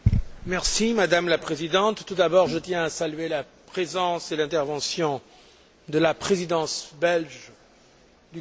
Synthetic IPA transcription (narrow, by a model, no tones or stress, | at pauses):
mɛʁsimad̪amlapχezid̪ɑ̃t̪ːud̪abɔʁʒət̪jɛ̃asalyelapχezɑ̃selɛ̃t̪ɛʁvɑ̃sjɔ̃ | d̪əlapχezid̪ɑ̃sbɛlʒ | d̪y